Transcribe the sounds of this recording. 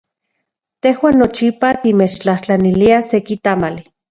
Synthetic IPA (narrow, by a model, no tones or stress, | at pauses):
t̪ehwaːnːot͡ʃipat̪imet͡ʃt͡ɬaht͡ɬaniliasekit̪amali